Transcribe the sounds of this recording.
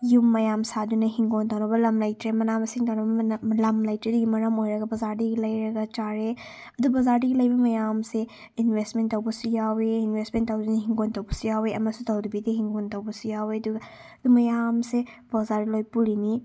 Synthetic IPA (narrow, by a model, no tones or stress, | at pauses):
jumːɐjamsadunɐɦiŋɡontawnɐbɐlɐmlajtɾemɐnabɐsiŋtawnɐbbɐlɐmlajtɾeduɡimɐɾɐmojɾɐɡɐbɐzaɾdiɡilɐjɾɐɡat͡ʃaɾe | ɐdubɐzaɾdiɡilɐjbɐmɐjamse | inwestmentːawbɔsujaweinwesmentawdunɐɦiŋɡontɐwbɔsijaweɐmɐsutɐwdubiteɦiŋɡontawbɔsijaweɐduɡ | ɐd̪umɐjamse | bɔzaɾdilojpulini